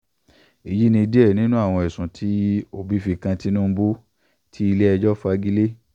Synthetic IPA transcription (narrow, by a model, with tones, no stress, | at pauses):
i˨ji˦nĩ˧i˧di˦ɛ˦˨nĩ˨˦nũ˦a˦˨w̃ɔ̃˧ɛ˨sũ˨tʰi˦o˦˨bi˨˦fi˧kã˧ti˦nũ˦bu˦ | tʰi˦i˧le˦ɛ˧d͡ʒɔ˦fa˧ɡi˦le˦